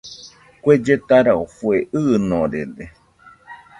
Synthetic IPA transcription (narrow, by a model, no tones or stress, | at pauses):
kʷed͡ʒet̪aɾaofueʔɨnõɾed̪e